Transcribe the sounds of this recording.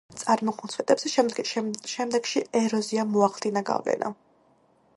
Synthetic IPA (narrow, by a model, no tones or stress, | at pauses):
t̪sʼaɾmɔqɔt̪sʰwɛt̪ʼɛbsʃɛʃɛmd̪ɛɡ̥ʃiɛɾɔziamɔaχlˠd̪inaɡa̰vlɛ̰na̰